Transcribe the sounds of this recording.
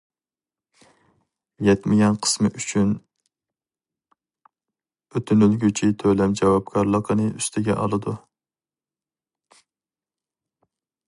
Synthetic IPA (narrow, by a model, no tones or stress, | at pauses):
jɛt̪mɪɡʲɛnqʰə̥smɨʔyt͡ʃʰyn | øt̪ʰynylɡʲyt͡ʃʰit̪ʰølɛmd͡ʒɑwɑb̚kʰɑɾlˠəqʰənɨʔyst̪ʰɪɡʲɛ̰ʔɑ̰lˠɨd̪u